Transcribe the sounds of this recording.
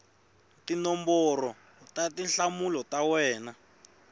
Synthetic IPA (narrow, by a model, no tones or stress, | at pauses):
tinɔmbɔrɔ | tatinɬamulɔtawɛːna